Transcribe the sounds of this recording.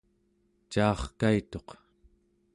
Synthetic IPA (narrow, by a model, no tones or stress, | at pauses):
t͡ʃɑːχkait̪o̞q